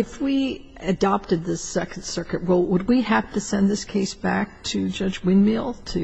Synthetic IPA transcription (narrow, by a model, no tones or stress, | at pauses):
ɨfwi | ɨdɑp̚tɨd̪̚ðɨsɛkn̩dsɜ˞kɨʔ̚ɹoʊlˠwəd̚wiæftɨsɛ̃nðɪskʰeɪsb̥æk̚tʰɨd͡ʒʌd͡ʒwɪ̃nmilˠtʰɨ